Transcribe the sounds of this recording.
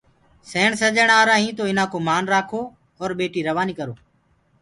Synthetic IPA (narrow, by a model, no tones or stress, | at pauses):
seːɳsəd͡ʒəɳaːɾaːɦĩːt̪oːɪnãːkoːmaːnɾaːkʰoː | ɔːɾɓeːʈiːɾəʋaːniːkəɾoː